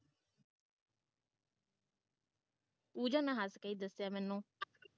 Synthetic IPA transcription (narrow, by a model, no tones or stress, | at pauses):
uːd͡ʒãːnãːɦaskəiːd̪əsːjaːmɛːnũː